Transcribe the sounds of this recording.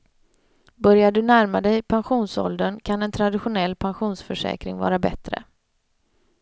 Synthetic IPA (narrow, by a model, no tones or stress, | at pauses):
bœɾjaɖɵnæɾmad̪ɛjpʰanɧuːnsɔ̰ld̪ənkʰanɛnt̪ʰɾad̪ɪɧʊnɛlːpʰanɧuːnsfœʂɛ̰ːkɾɪ̰ŋvɑ̰ːɾabɛ̰t̪ɾə̰